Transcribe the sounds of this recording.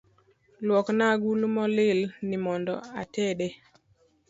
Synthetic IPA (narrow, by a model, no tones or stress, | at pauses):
lwɔknaɡulmɔlɪlnimɔndɔ̰atɛɗe